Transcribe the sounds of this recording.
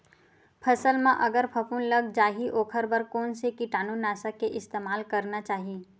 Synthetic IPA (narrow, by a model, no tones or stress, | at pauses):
pʰɐsəlmãʔɐɡəɾpʰɐpuːnləɡd͡ʒaːɦiʔoːkʰəɾbəɾkoːnsekiʈaːnunaːsakeʔɪst̪eːmaːlkɐɾnat͡ʃaːɦiː